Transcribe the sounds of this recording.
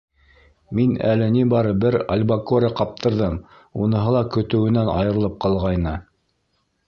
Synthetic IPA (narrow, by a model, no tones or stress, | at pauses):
minæ̰lɘnibɑɾɤbɘɾɐ̰lʲbakoɾʲɑqɑp̚t̪ʰɤ̆ɾðɤm | unɤ̆ɦɤlˠɑkɵ̆t̪ɘ̆wɘ̆nænɑ̰jɤ̆ɾɤ̆lˠɤp̚qɑlˠʁɑjnɤ